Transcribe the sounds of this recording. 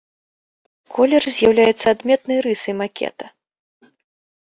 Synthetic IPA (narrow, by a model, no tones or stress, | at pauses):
kʰɔlʲɛrzʲjawlʲajɛt̪sːɐad̪mʲɛt̪̚nɐjɾɨsɐjmakʲɛ̰t̪ɐ̥